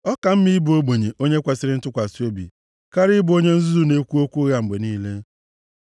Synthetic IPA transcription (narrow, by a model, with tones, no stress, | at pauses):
ɔ˦ka˨m̩˦mi˦i˦bo˦ɡ͡be˨ɲe˨ʔo˦ɲe˦kʷa˨sɪ˦ɾɪ˦n̩˦tʊ˦kʷa˨si˦o˦bḭ˨ | ka˦ɾɪ˦ɪ˦bʊ˨o˦ɲe˦n̩˦zu˦zu˦ne˦kʷu˦o˦kʷu˦ɣa˨ŋ͡m̩˨ɡ͡be˨niː˦le˦